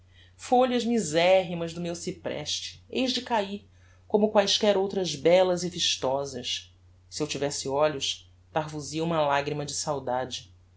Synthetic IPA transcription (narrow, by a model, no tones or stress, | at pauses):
foʎɐzmizɛɦimɐzd̪ʊmewsipɾɛ̰ʃt͡ʃɪ̥ejʒd͡ʒɪkaih | kõmʊkwajʃkɛɾowt̪ɾɐzbɛlɐziviʃt̪ɔzɐʃ | siewt͡ʃivɛsɪɔʎʊʃ | t̪aɦvuziɐũmɐlaɡɾimɐd͡ʒɪsawd̪ad͡ʒɪ